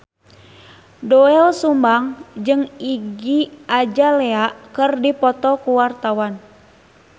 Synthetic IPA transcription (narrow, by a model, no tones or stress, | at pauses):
dɔɛɔsumbaŋd͡ʒɨŋiɡiad͡ʒalɛaʔkɨrdipɔt̪ɔkuwart̪awan